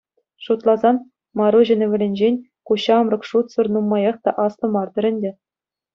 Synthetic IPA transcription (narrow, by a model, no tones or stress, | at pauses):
ʂut̪lˠɑzɑn | mɑɾuʑɘ̆nʲɘ̆ʋʲɘ̆lʲɘ̆nʲd͡ʑenʲ | kuɕɑmrɤ̆kʂut̪sɤ̆rnumːɑjɑχt̪ɑʔɑsnɤ̆mɑrd̪ɤ̆ɾʲɘ̆nʲdʲɘ̆